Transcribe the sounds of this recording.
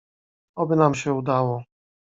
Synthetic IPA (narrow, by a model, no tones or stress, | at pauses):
ɔbɘnamɕɛud̪awɔ